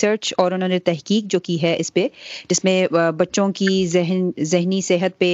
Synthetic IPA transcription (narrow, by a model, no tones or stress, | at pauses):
səɾt͡ʃɔːɾʊnɦõːnet̪ɛɦkiːk̚d͡ʒoːkiɦɛʔɪsped͡ʒɪsmẽbɐtːʃõkizɪɦnzɪɦnisɪɦət̪̚pe